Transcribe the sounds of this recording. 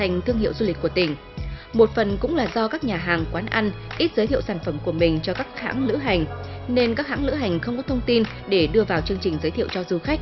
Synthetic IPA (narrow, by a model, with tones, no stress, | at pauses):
t̪ʰa˨˩jŋ̟t̪ʰɨ˧əŋhḭ˧˨wzu˧li˨˩k̟̚ku˧˩ət̪ï˧˩ŋ̟ | mo˨˩t̚fə˨˩nkʊ̰˧˥ŋ͡mlaː˨˩zɔ˧kaː˦˥k̚ɲaː˨˩ɦaː˨˩ŋkwaː˨˦nʔa˧nʔi˦˥t̚zəː˨˦jt̪ʰḭ˧ə˨wsaː˧˩nfə˧˩mku˧˩əmï˨˩ŋ̟t͡ɕɔ˧kaː˦˥k̚ha̰ː˧˥ŋlɨ̰˧˥ɦa˨˩jŋ̟ne˧nkaː˦˥k̚ha̰ː˧˥ŋlɨ̰˧˥ɦa˨˩jŋ̟xə˧wŋ͡mkɔ˨˦t̪ʰə˧wŋ͡mt̪i˧n | ɗe˧˩ɗɨ˧əvaː˨˩wt͡ɕɨ˧əŋt͡ɕï˨˩ŋ̟zəː˨˦jt̪ʰḭ˧˨əwt͡ɕɔ˧zu˧˩xa˦˥k̟̚